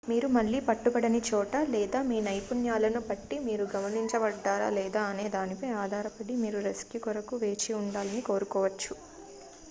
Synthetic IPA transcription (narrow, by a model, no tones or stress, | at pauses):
miːɾumɐɭːiːpɐʈːubɐɽɐnit͡ʃɔːʈɐlɛːd̪aːmiːnɐjpunjaːlɐnubɐʈːimiːɾuɡɐmɐniɲt͡ʃɐʋɐɖːaːɾa̰ːlɛːd̪aːɐneːd̪aːnipɐjaːd̪ʱaːɾɐpɐɽimiːɾuɾɐsi̥kjukɔɾɐkuʋe̞ːt͡ʃiuɳɖaːlɐniko̞ːɾukɔːʋɐt͡ʃːu